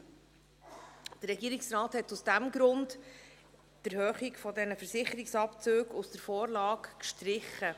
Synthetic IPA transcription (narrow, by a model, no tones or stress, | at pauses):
d̥ərɾɛɡiːɾɪksrɑːthɛtʊsd̥æmɡɾʊnd | d̥əɾhøːχikfɔdɛnəfəɾsɪχəɾiksɑpt͡søːɡusd̥əɾfɔːɾlɑːkkʃtɾɪχə